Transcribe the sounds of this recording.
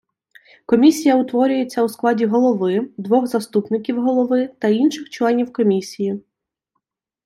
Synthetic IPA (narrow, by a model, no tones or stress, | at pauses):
kɔmʲisʲijɐʊt̪ʋɔɾʲʊjet͡sʲːɐwsklˠɑdʲiɦɔlˠɔʋɪd̪ʋɔɣzɐst̪upnɪkʲiwɦɔlˠɔʋɪt̪ɐinʃɪxt͡ʃlˠɛnʲiwkɔmʲisʲiji